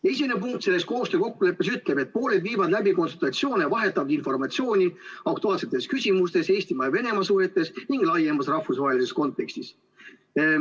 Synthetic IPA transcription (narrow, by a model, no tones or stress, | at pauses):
e̞sʲimenepuŋkt̪se̞lːe̞sko̞ːst̪øko̞kːule̞pːesyt̪ˑle̞be̞t̪̚po̞ːle̞d̪viːvɑd̪læbiko̞nsult̪ɑt̪sio̞ːnevɑɦe̞t̪ːˑɑvɑd̪info̞rmɑt̪ʲsio̞ːnʲiɑk̚t̪uɑːlse̞t̪ːˑe̞skysʲimust̪e̞se̞ːsʲt̪imɑve̞ne̞mɑsuhe̞t̪ːˑe̞sniŋɡ̥lɑjemɑsrɑhfːusvɑɦelisesko̞nt̪ːˑe̞kst̪is